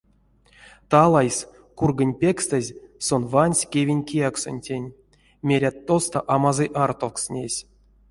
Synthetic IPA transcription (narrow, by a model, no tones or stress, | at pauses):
t̪alˠajs | kurɡənʲpʲekst̪əzʲsonvanʲsʲkʲevʲinʲkʲijakso̰nʲtʲenʲ | mʲeɾʲat̪ːost̪aʔamazɨʔart̪oksnʲesʲ